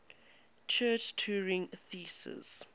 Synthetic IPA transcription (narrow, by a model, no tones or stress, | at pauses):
t͡ʃʰɜːt͡ʃtʰuːɹɪ̃ŋθisə̰z̥